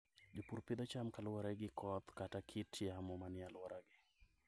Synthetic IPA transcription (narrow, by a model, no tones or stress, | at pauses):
d͡ʒopuɾpid̪ɔt͡ʃamkalwɔɾaɡɪkʰɔt̪katakʰitʰjamɔmanɪalwɔɾaɡɪ